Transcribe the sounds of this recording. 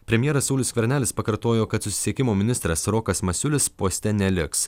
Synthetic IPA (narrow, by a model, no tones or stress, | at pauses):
pʲɾʲɛmʲjɛɾɐsɐʊlʲʊːskʲʋʲɛɾʲnʲæːlʲɪspɐkɐɾt̪oːjoːkɐt̪sʊsʲɪ̥sʲiɛkʲɪmoːmʲɪnʲɪst̪ʲɾʲɐsɾɔːkɐsmɐsʲʊlʲɪspoːsʲt̪ʲɛnʲɛlʲɪks